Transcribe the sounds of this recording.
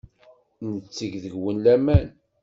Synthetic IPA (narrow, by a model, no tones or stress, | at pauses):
nət͡sːəʝðəʝwənlæmæn